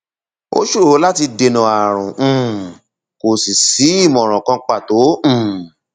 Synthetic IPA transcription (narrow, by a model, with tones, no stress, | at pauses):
o̰˦ʃu˦˨o˨˦la˦ti˧de˧nũ˨a˨ɾ̃ũ˨ | ko˨si˨si˨˦i˦˨mɔ̃˨ɾ̃ɔ̃˨kã˧˦k͡pa˦˨tõ˨˦˨